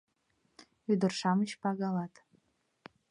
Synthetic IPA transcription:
yd̪ə̆rʃɑmət͡ɕpɑɣɑlɑt̪

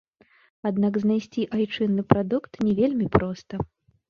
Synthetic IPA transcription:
ad̪naɡznajsʲt͡sʲiʔajt͡ʂɨnːɨpɾad̪ukt̪nʲɛvʲelʲmʲipɾɔst̪ɐ

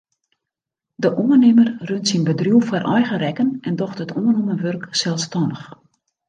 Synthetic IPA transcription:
dəʔuənɪmərrøntsinbədrjuwfɔrʔɔjɣərɛkənɛndɔxtɦətʰuənumənʋørksɛlˠstɔndəx

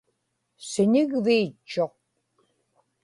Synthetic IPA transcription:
sɪɲɪɣviːt͡ʃːoq̚

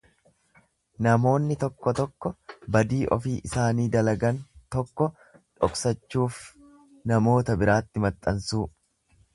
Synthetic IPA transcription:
nɐmo̞ːnːɪt̪ɔkːɔt̪ɔkːɔbɐd̪iːʔɔ̰fiːʔɪsaːniːd̪ɐlɐɡɐnt̪ɔkːɔ | ᶑɔ̰ksɐt͡ʃːuːf | nɐmo̞ːt̪ɐbɪɾaːt̪ːɪmɐt̪ʼːɐnsuː

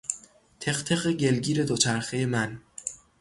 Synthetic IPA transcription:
t̪ʰe̞xt̪ʰe̞ɣeɟe̞lɡiːɾe̞d̪ot͡ʃʰæɾxejemæn

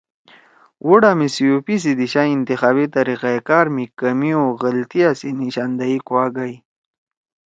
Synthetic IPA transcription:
wuɽamisijupis̬id̪iɕaint̪ixaːbit̪aɾiqaekaːɾmikɐmioɣəlt̪iasiniɕand̪aikwaːɡaj

